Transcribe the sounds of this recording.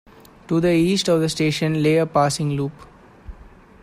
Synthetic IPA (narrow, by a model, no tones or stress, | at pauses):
ʈud̪əiːsʈɔʋd̪əsʈeːʃə̃nleːəpaːsɪ̃ŋluːp